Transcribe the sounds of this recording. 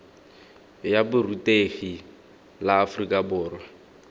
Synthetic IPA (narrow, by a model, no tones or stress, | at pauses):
jabʊrutʼeɣi | laːfʊrikʼabʊːrwa